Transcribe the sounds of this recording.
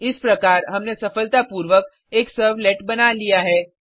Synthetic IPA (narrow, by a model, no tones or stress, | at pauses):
ɪspɾɐkaːɾɦɐmnesɐfəlt̪apuːɾʋək̚ | eːksəɾʋleːʈbɐnalijaɦɛː